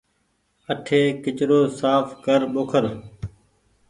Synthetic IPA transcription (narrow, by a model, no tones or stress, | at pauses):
əʈʰeːkɪt͡ʃɾoːsaːfkəɾɓoːkʰəɾ